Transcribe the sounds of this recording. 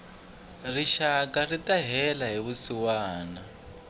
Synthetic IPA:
riʃakaritaɦɛlaɦiβusiwaːna

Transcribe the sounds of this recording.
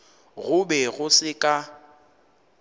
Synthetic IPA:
ɣʊbɛɣʊsɪkʼa

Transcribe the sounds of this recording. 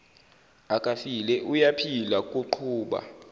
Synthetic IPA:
akʼafilɛʔujapʰilakʼuǃʰuːɓa̰

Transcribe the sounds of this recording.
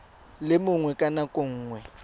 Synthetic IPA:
lɪmʊŋwɛkʼanakʼʊŋ̩ːŋwɛ

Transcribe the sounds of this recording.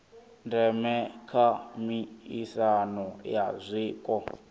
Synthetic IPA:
ndɛmɛkʰamiisanɔjazʷiːkʼɔ

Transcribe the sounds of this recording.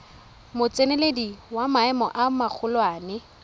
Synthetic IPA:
mʊt͡sʼenelediwamaɛmɔʔamak͡xʰʊlwaːnɪ

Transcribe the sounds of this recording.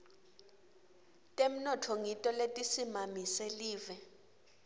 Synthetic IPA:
tʼem̩nɔtʰɔŋitʼɔletʼisimamiseliːvɛ

